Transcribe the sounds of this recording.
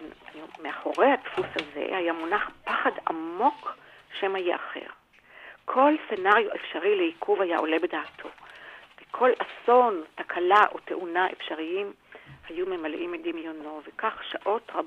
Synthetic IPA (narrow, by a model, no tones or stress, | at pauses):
jumeaχo̞ʁehatfushaze̞̰hajamunaχpaχada̰mmo̞k | ʃemhajeʔaχe̞̰ʁ | kʰo̞lsenaʁjuʔefʃaʁileikʰuvhaja̰ʔo̞le̞be̞daːtʰo̞vekʰo̞lʔaso̞ntakʰalaʔo̞t̪e̞ʔunaʔḛfʃaʁiim | hajumemalʔimed̪imjonovekaχʃaʔo̞tʁab